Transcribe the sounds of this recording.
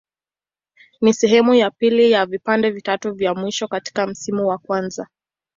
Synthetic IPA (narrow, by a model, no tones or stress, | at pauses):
nisɛɦɛmujapilijavipandɛvitatuvjamwiʃɔkati̥kam̩simuwakwanza